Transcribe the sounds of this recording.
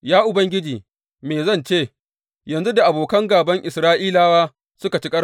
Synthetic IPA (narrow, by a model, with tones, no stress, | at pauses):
jaː˦ʔʊ˨bɐ˦ŋɡʲɪ˦d͡ʒiː˨ | meː˨zɐ˦˨nt͡ʃeː˦˨ | jɐ˨nzu˦da˨ʔa˨boː˨kɐ˦ŋɡaː˨bɐ˦ŋʔɪ˨sɾaː˦ʔiː˦laː˦waː˦ | sʊ˦ka˨t͡ʃi˦kʼɐ˦